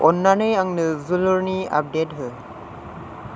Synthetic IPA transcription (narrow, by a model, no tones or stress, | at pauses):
ʔɔnːanɯjaŋnɯzulɯɾnia̰p̚det̚ɦɯ